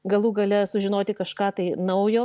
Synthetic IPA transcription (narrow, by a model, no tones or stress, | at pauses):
ɡɐlˠuːɡɐlʲɛsʊʒʲɪnoːt̪ʲɪkɐʃkɑːt̪ɐɪnɐʊjoː